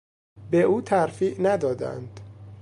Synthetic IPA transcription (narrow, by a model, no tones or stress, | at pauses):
beʔuːt̪ʰæɾfiːʔnæd̪ɒːd̪æ̰nd̪̥